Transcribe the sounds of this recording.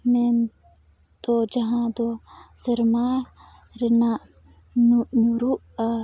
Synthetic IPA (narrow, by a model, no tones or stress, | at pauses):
men | t̪od͡ʒɐɦãːd̪oːsəɾmaː | ɾenaːʔ | nnuɾuʔa